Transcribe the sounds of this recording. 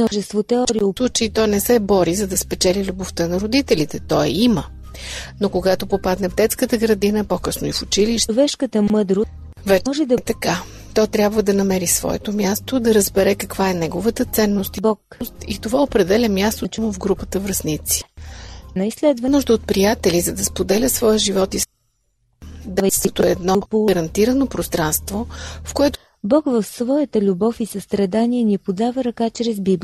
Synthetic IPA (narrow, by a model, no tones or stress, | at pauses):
nɔʒɛst̪vot̪ɛɔɾilˠut͡ʃɛit̪ɔjnɛsɛbɔɾizɐd̪ɐspɛt͡ʃɛlilʲuboft̪ənɐɾod̪it̪ɛlit̪ɛt̪ɔɛimə | nokoɡat̪opopad̪nɛvd̪ɛt̪skət̪əɡɾɐd̪inəpokɤsnʊifʊt͡ʃiliʃvɛʃkət̪əmɤd̪ɾʊ | vɛʒɛd̪ɐt̪ɐka | t̪ɔt̪ɾʲjabvəd̪ɐnɐmɛɾisvɔ̰ɛ̰t̪omʲjast̪od̪ɐɾəzbɛɾɛkɐkvaɛnɛɡovət̪ət̪sɛnːost̪ibɔkst̪it̪ovaopɾɛd̪ɛlʲɛmʲjast̪ot͡ʃnovɡɾupət̪əvɾɐznit̪si̥nɐislɛd̪vənuʒd̪əot̪̚pɾijat̪ɛlizɐd̪ɐspod̪ɛlʲəsvɔjəʒivɔt̪i | d̪ɐvt̪oɛd̪nɔpoɾɐnt̪iɾənopɾost̪ɾanst̪vofkoɛt̪ | bɔkvɐfsvɔjət̪əlʲubɔfisəst̪ɾɐd̪aniɛnʲipod̪avəɾɐkat͡ʃɾɛzbib